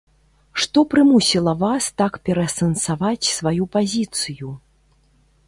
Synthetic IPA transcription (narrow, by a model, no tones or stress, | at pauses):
ʂt̪ɔpɾɨmusʲilˠɐvast̪akpʲɛɾɐsɐnsavat͡sʲsvajupazʲit̪sɨju